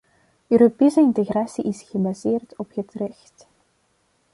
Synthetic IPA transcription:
øːɾopeːsəɪntəɣraːsiʔɪsχəbazeːrtɔphətrɛxt

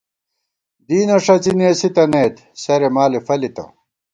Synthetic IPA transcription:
d̪iːnɐʂɐt͡sineːsit̪ɐneːt̪ | sɐɾemaːlefɐlit̪ɐ̰

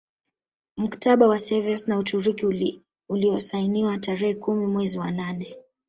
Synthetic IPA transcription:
m̩kḁtaɓawasɛviasnautuɾiki | uliɔsainiwataɾɛhɛkumimwɛziwananɛ

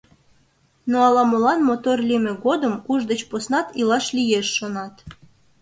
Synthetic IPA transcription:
noɑlɑmolɑnmot̪orlʲimeɣod̪əmuʒd̪ət͡ɕposnɑt̪ilɑʃlijeʃːonɑt̪

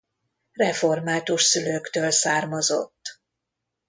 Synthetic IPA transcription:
rɛfo̞rmaːt̪uʃsyløːkt̪øːlsaːrmozo̰t̪ː

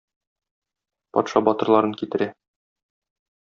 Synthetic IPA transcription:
pɒ̰t̪ʃɑbɒt̪ɤ̆ɾlˠɑɾɤŋkit̪ɘ̆ɾæ

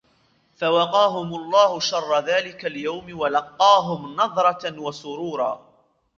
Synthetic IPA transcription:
fawɑqɑːɦʊmʊlˤːɑːhʊʃɑrˤːɑðaːlɪkaljawmwalɑqːɑːɦʊmnɑðˤɾˤɑwasʊɾuːɾˤɑ̰ː

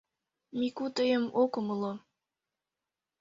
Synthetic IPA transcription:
mikut̪əjəmokəməlo

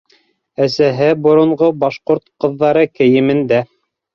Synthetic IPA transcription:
æsæɦɘbŏɾŏɴʁobɑʃqoɾt̪qɤ̆ðːɑɾɤkɘ̆jɘ̆mɘ̆nd̪æ

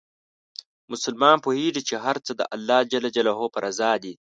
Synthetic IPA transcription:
mʊsʊlmɑːnpoheːʐit͡ʃeɦaɾt͡səd̪ə̰ʔalːɑːd͡ʒalad͡ʒalaɦopɐɾʔazɑːd̪i

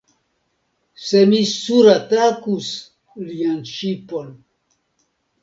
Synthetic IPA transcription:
semisuɾatakus | lianʃipon

